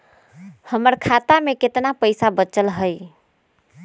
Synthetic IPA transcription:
həməɾkʰat̪ameket̪napəɪsabət͡ʃəlɦəj

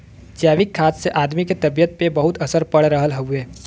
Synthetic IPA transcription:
d͡ʒjaːʋɪkʰːaːsseʔaːd̪miket̪ɐbijət̪̚pebɐɦʊt̪ɐsəɾpɐɽɾəɦəlɦəɦueː

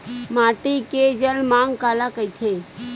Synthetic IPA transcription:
maːʈiked͡ʒəlmãŋɡkaːlakəjt̪ʰeː

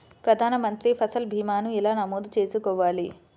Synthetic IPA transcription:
pɾɐd̪ʱaːnɐmɐnt̪ɾipʰɐsɐlbʱiːmaːnuilaːnɐmoːd̪ut͡ʃe̞ːsukɔːʋaːli

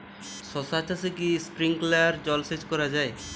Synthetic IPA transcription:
ʃɔsat͡ɕasekispɾiŋklaaɾd͡ʑɔlsed͡ʑkɔɾad͡ʑae

